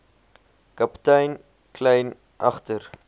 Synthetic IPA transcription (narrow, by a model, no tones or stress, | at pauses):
kɐptɐjn | kʰlɛjn | ʔɐχtər